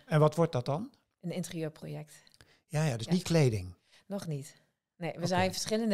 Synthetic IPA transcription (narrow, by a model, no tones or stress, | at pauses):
ɛnʋɔtʋɔɹt̚dɔt̚dɑn | ʔənɪntərijøːɹpro̰jɛk̚t | jaːjadøsnitklejdɪŋ | nɔxnit | neːʋəzɛjnfəɹsxɪlənd